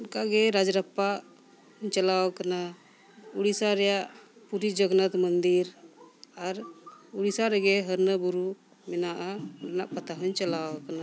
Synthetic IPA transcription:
unkaɡɛɾad͡ʒɾapːaʔ | hɲt͡ʃalawkana | uɽisaɾɛjaʔpuɾid͡ʒɔɡnat̪mənd̪iɾaɾuɽisaɾɛɡɛɦəɾnəbuɾu | mɛnaʔaɾɛnaʔpat̪aɦəɲt͡ʃalawkana

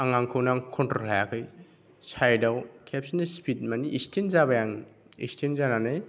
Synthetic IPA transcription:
aŋaŋkʰɯwnaŋkʰɔntɔhajakʰɯj | sajdawkʰep̚sinaspʰit̚maniʔistʰenzabajaŋ | ḭstʰenzananɯj

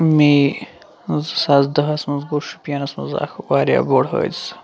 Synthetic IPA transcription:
mi | zɨsaːzd̪ɐɦɐsmɐnzɡoɾʃu̥pijɐnɐsmɐ̰nza̰ːkʰwaːɾʲja̰boːɽɦə̰ːt͡s

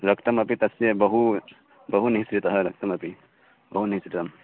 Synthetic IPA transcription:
ɾɐkt̪ɐmɐpit̪ɐsjebɐɦu | bɐɦuniɦsɾit̪ɐɦəɾɐk̚t̪ɐmɐpi | bɐɦuniɦsɾit̪ɐm

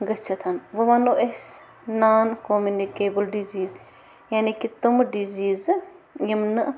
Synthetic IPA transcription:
ɡɐt͡ʃʰɐt̪ʰɐnʋɐʋaːnoʔes | naːnkomjunikeːbəlɖiziːz | jaːnikit̪umɖiziːzjɐmnɨ

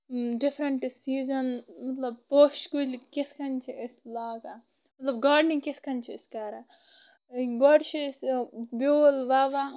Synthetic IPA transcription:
ɖifʰɾɐɳʈsiːzɐnmɐt̪lɐb̚post͡ʃkulkit̪ʰkɐnt͡ʃʰieslaːɡa | mɐt̪lɐbɡaːɖniŋkit̪ʰkɐnt͡ʃʰiːskɐɾa | ɡɔɖt͡ʃʰisboːlʋaʋa

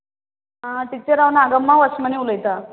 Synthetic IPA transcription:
aʈ̪it͡ɕeɾaʋnaɡəmːaʋəsməniuləjt̪a

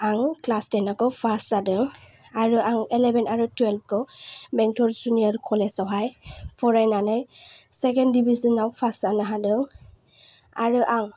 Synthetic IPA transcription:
aŋklastenakɔpʰasadɯŋ | aɾɯʔaŋelebʱenaɾutwɛlp̚kʰɔmɛŋtʰɔɾsuniaɾkʰɔlesawɦajpʰɔɾajnanajsekendibʱizɔnawpʰasanaɦadɯŋ | aɾɯʔaŋ

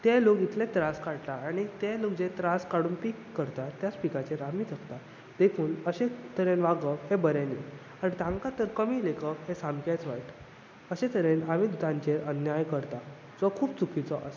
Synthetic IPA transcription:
t̪elokit̪ʰlẽt̪ɾaskaɽt̪aañit̪elokd͡ʑet̪ɾaskaɽuːnpikːəɾt̪at̪jat͡spikat͡ɕeɾam̤iːt̪ʰəkt̪a | d̪̥ekʰuːnəɕet̪əɾenʋaɡəhebəɾeniː | anit̪ãŋkat̪əɾkəmiːlekəɦesãmkjat͡sʋaiʈ | əɕẽt̪əɾenamid̪ut̪ãɲt͡ɕeɾʔənjajkəɾt̪a | d͡zɔkʰuːbt͡sukʰit͡sɔʔəs

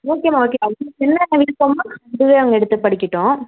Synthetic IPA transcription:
oːkːeːmaːoːkːeɐʋɐŋɡɐt͡ʃɛnːɐnːɐʋɪɽɯkːɐmaːɐɳɖɯʋeːɐʋɐŋɡɐɛɽɯt̪ːɯpɐɽɪkːɪʈːõː

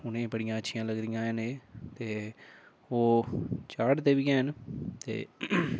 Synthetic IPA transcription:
ʊnẽːbəɽɪjãːətːʃʰɪjãːləɡd̪ijãːɦəneːt̪eː | oːt͡ʃaːɽd̪eːʋijãːənt̪ḛː

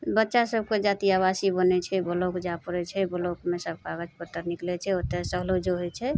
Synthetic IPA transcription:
bətːʃasəbked͡ʒat̪iaβasibənɛt͡ʃʰɛbolokd͡ʒapəɾɛt͡ʃʰɛbəlokmesəb̚ʱkaɡət͡ʃpət̪ːəɾniklɛt͡ʃʰɛot̪esəɦlod͡ʒoɦojt͡ʃʰɛ

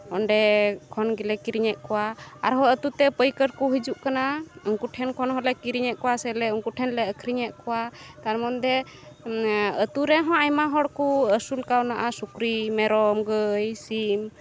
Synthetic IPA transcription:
ɔnɖɛkʰɔnɡilɛkiɾiɲɛʔ̪̚kɔwaaɾɦɔət̪ut̪ɛpəjkəɾkuɦid͡ʒuʔkanauŋkuʈʰɛnkʰɔnɦɔlɛkiɾiɲɛʔ̪̚kɔwasɛlɛuŋkuʈʰɛnlɛəkʰɾiɲɛʔ̪̚kɔwat̪aɾmɔnd̪ɛ | ət̪uɾɛɦɔ̃ajmaɦɔɽkuəsulkawnaʔasukɾimɛɾɔmɡəjsim

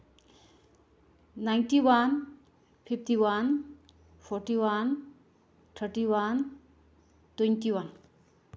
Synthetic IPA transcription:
najnʈiwan | pʰip̚ʰtiwan | pʰɔɾʈiwan | t̪ʰəɾʈiwan | t̪wenʈiwan

